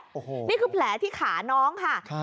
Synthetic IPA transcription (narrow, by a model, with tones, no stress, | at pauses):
o˨˩˧niː˥˩kʰɯː˧pʰlɛː˩˦t̪ʰiː˥˩kʰaː˩˦nɔː˦˥ŋkʰa˥˩